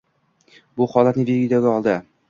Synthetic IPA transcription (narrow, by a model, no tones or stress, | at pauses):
buχɒlˠɤt̪nidiɡid̪æwɡæɒlˠd̪ɤ